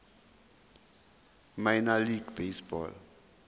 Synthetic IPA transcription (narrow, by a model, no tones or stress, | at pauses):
majnaliɡbesbɔ̰l